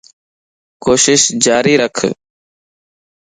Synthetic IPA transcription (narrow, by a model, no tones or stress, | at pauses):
koːʃɪʃd͡ʒaːɾiːɾəkʰ